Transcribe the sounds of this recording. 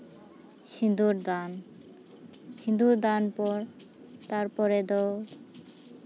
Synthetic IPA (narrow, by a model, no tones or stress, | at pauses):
ʃind̪uɾd̪an | ʃind̪uɾd̪anpɔɾ | t̪aɾpɔɾed̪ot